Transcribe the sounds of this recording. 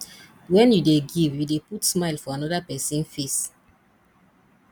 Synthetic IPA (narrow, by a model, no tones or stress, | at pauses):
wɛ̃njudeɡivjudeputsmaɪlfɔanɔdapɛsĩnfes